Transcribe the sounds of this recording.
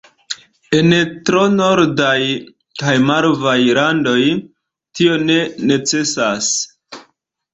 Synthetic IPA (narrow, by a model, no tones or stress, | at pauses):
e̞ntɾo̞no̞ɾdaj | kajmaɾvajlando̞j | tio̞ne̞ne̞t͡se̞sas